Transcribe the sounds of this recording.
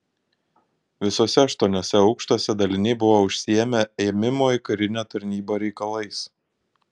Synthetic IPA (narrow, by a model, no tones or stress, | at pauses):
ʋʲɪsoːsʲɛɐʃt̪uɔnʲoːsʲɛɒʊkʃt̪oɔsʲɛd̪ɐlʲɪnʲɛɪbʊʋoːʊʃʲsʲɪjɛmʲɛɛːmʲɪmoːɪkɐɾʲɪnʲæːt̪ɐɾʲnʲiːboːɾʲɛɪkɐlˠɐɪs